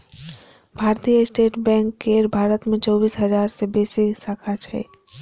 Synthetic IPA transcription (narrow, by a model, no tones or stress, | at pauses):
bʱaːɾt̪ijəɪsʈeːʈbɛ̃ːŋkːeːɾbʱaːɾət̪mẽt͡ʃɔːbiːsɦɐd͡ʒaːɾsebeːsisaːkʰat͡ʃʰɛ̰ː